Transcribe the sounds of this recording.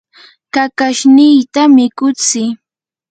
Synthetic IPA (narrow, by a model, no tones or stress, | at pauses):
kakaʃnɪjt̪amɪkʊt͡sɪ